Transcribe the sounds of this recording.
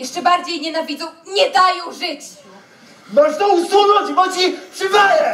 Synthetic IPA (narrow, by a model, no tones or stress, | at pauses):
jɛʂʈt͡ʂɛbaɾd͡ʑejɲɛnavʲid̪zɔ̃w̃ɲɛd̪ajɔ̃w̃ʐɪt͡ɕ | mɔʐt̪ɔusunɔ̃d͡ʑbɔt͡ɕipʂɨvɛjɛ